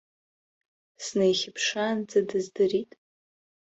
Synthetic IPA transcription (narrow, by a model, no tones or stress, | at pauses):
snejχʲɪpʰʂand͡zadɨzdɨritʼ